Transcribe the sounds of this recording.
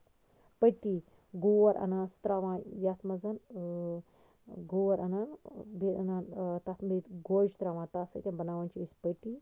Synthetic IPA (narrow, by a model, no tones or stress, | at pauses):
pəʈi | ɡoːʋɐɾʔɐ̰naːsu̥t̪ɾaːʋãːjɐt̪ʰmɐzɐn | ɡoːʋɐɾɐnɐnbiɐnant̪ɐt̪ʰmit̪ɡoːd͡ʒt̪ɾaːʋãːnt̪asɐ̰jt̪ʲɐ̃nbɐnaːʋaːnt͡ʃiispəʈi